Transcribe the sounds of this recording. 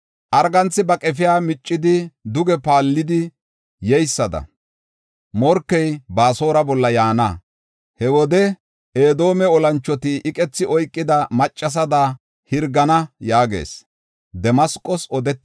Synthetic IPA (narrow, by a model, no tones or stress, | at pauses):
ʔɐɾɡɐnt͡sːɪbɐkʼɛfɪjaːmɪt͡ʃʼːɪd̪ɪd̪ʊɡɛpaːlːɪd̪ɪ | jɛjsːɐd̪ɐ̰ | mɔɾkːɛjbaːso̞ːɾɐbɔlːɐjaːnɐ | hɛwɔd̪ɛ | eːd̪o̞ːmɛɔlɐnt͡ʃːɔt̪ɪʔɪkʼɛt͡sːɪʔɔjkʼːɪd̪ɐmɐt͡ʃʼːɐs̬ɐd̪a | hɪɾɡɐnɐjaːɡe̞̰ːs | d̪ɛmɐskʼːɔsɔd̪ɛt̪ː